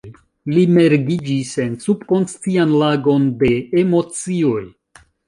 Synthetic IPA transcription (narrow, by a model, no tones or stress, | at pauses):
lime̞ɾɡid͡ʒise̞nsub̥ko̞nst͡sianlaɡo̞nde̞emo̞t͡sio̞j